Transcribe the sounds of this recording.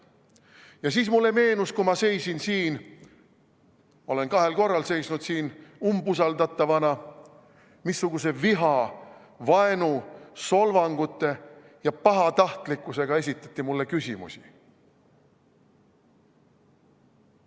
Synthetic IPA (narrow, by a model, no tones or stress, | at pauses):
jɑsiːsmulːe̞me̞ːnuskumɑse̞jsinsiːn | o̞le̞nkɑɦe̞lko̞rːɑlse̞jsnud̪̥siːnumbusɑld̪ɑt̪ːˑɑvɑnɑ | misːuɡ̥use̞viɦɑ | vɑe̞nuso̞lvɑŋɡ̥ut̪ːˑe̞ | jɑpɑɦɑt̪ɑht̪likːˑuse̞ɡ̥ɑe̞sʲit̪ːˑɑ̥t̪ːˑimulːe̞kysimṵsi̥